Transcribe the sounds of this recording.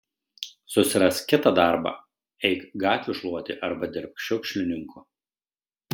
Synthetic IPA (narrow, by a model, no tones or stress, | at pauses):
sʊsʲɪɾɐskʲɪt̪ɑd̪ɑˑɾbɑ̰ː | ɛɪkɡɑːt̪ʲʋʲʊˑʃlˠuɔt̪ʲɪ̰ʔɐɾbɐd̪ʲɪɾʲp̚kʃʲɔʊkʃʲlʲɪnʲɪŋkʰu